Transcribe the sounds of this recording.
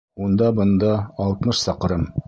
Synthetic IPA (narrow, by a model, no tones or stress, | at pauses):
und̪ɑbɤ̆nd̪ɑːlˠt̪mɤʃsɑqɾɤm